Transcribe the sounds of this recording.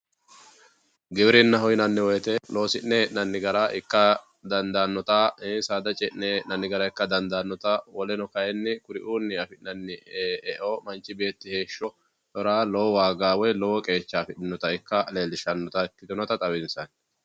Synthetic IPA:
ɡɪbɪɾɪnːɐɦɔjɪnɐnːɪwɔjt̪ɛloːsɪnnɛʔnɐnːɪɡɐɾaʔɪkːɐ | d̪ɐnd̪anːɔt̪aɛnsaːd̪ɐt͡ʃʼɛʔnɛʔnɐnːɪɡɐɾɐɪkːɐd̪ɐnd̪aːnːɔt̪ɐwɔlɛnɔkɐjɛnːɪkʊɾɪʔuːnːɪɐfɪʔnɐnːɪɛʔoːmɐnt͡ʃːɪbe̞ːt̪ːɪhe̞ːʃːɔ | tɔɾaːlɔwɔwaːɡaːwɔjlɔwɔkʼe̞ːt͡ʃːaːfɪᶑɪnːɔt̪ɐɪkːɐleːlɪʃɐnːɔt̪ɐɪkːɪt̪ɔnɐt̪ɐt̪ʼɐwɪnsɐn

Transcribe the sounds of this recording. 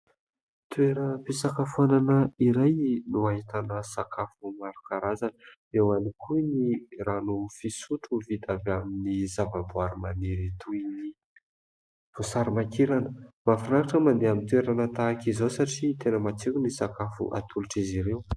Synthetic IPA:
t̪ueɾəpisakafuananəiɾajnuaɦit̪anəsakafumaɾukaɾazanə | ewanikʰuniranufisuʈ͡ʂuvit̪avaminizavabuaɾumaniɾit̪ʰuini | v̥usaɾimakiɾanəmafanaɾaʈ͡ʂəmand̪eamint̪weɾanət̪aːkizosaʈ͡ʂit̪enəmat͡sikunisakafṵʔa̰t̪ʰuluʈ͡ʂiziɾew

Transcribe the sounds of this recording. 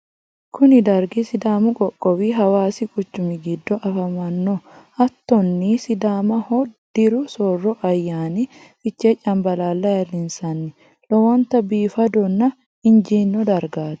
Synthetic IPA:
kʰʊnɪd̪ɐɾɡɪsɪd̪aːmʊkʼɔkʼːɔwiːɦɐwaːsɪkʼʊt͡ʃːʊmɪɡɪd̪ːɔʔɐfɐmɐnːɔɐt̪ːɔnːisɪd̪aːmɐhɔd̪̥ɪɾʊsɔrːɔʔɐjːaːnɪ | fɪt͡ʃːeːt͡ʃʼːɐmbɐlaːlːɐjɐlɪnsɐnːɪ | lɔwɐnt̪ɐbiːfɐd̪ɔnːɐ | ɪnd͡ʒiːnːɔd̪ɐɾɡaːt̪ɛ̥

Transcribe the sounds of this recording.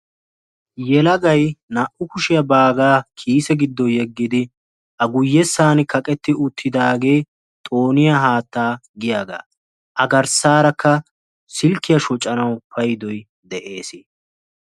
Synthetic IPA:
jɛlɐɡɐjnɐʔʊkʊʃɪjɐbaːɡaːkʰiːsɛɡɪd̪ːɔjɛɡːɪd̪ɪ | ʔɐɡʊjːɛsːaːnɪkɐkʼɛt̪ːɪʊt̪ʰːɪd̪aːɡe̞ː | t̪ʼoːnɪjɐɦaːt̪ːaːɡɪjaːɡa̰ː | ʔɐɡɐɾsaːɾɐkʰːɐ | sɪlkːɪjɐʃɔt͡ʃʼːɐnɐwpɐjd̪ɔj | d̪ɛʔe̞ːsɪ

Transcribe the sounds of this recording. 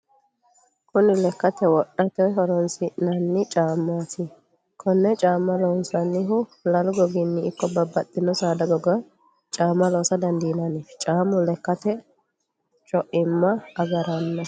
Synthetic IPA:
kʊnɪlɛkːɐt̪ɛwɔɗːɐt̪ɛɦɔɾɔnsɪʔnɐnːɪt͡ʃʼaːmːaːsɪ | kʰɔnːɛt͡ʃʼaːmːɐlɔːnsɐnːɪɦʊlɐlʊɡɔɡɪnːɪɪkːɔbɐbːɐt̪ʼːɪnɔsaːd̪ɐɡɔɡɐ | t͡ʃʼaːmːɐloːsɐd̪ɐnd̪ɪnɐnɪt͡ʃʼaːmːʊlɛkːɐt̪ɛ | t͡ʃʼɔʔɪmːɐːɡɐɾɐnːɐ

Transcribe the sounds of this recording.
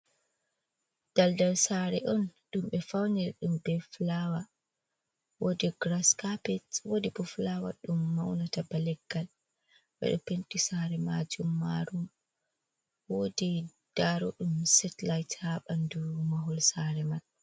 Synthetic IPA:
d̥aldaɾsaːɾɛ̰ʔɔnɗumɓɛfawniɾɗumbɛflawa | wodiɡɾaskapɛtwodibɔflawa̰ɗumːawnatabalɛɡːal | ɓɛ̰ɗɔpentisaɾɛmad͡ʒumːa̰ɾum | wodi | d̥aɾɔɗumsɛtlajthaɓandumaɦɔlsaɾɛmal

